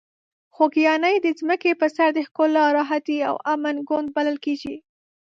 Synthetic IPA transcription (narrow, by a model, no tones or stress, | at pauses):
xokijɑnəjd̪əzməkepəsaɾd̪əxkʊlɑɾɑɦat̪ia̰wamanɡond̪̚baləlkeɡi